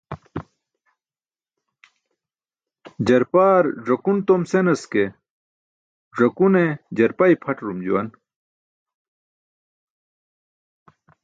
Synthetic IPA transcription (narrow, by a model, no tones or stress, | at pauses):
d͡ʑɐɾpaːɾʐɐkunt̪omsenɐske | ʐɐkuned͡ʑɐɾpɐipʰɐʈɾumd͡ʑuwɐn